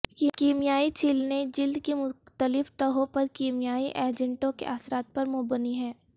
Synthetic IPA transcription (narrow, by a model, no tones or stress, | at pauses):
kːkiːmijaːit͡ʃʰɪlned͡ʒɪld̪kemʊt̪əlɪft̪əɦõpɐɾkiːmijaːiʔeːd͡ʒə̃ɳʈõkḛʔaːsɾaːt̪̚pɐɾmʊbəniɦɛː